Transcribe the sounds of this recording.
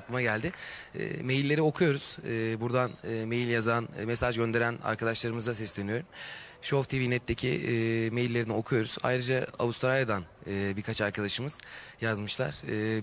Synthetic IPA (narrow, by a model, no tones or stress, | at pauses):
aklˠɯmaɟælʲd̪ɪɛ̰me̞jilʲːe̞ɾio̞kʰujo̞ɾuz̥ːbuɾd̪anːme̞jilʲjazanmesaʒɟø̞nd̪e̞ɾæna̰ɾkad̪aʃlˠaɾɯmɯzd̪asɛslʲenijo̞ɾum | ʃoft̪ʰivinɛt̪ʰːecʰḭme̞jilʲːe̞ɾinio̞kʰujo̞ɾuz̥a̰jɾɯd͡ʒaa̰vust̪ɾajad̪anɯːbiɾkʰat͡ʃaɾkad̪aʃɯmɯz̥jazmɯʃlˠa̰ɾ̥ɯː